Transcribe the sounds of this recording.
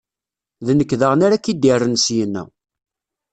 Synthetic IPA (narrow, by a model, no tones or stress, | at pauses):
ðnəkːðəʁnaɾakid̪ɪrˤːənsjənːæ̰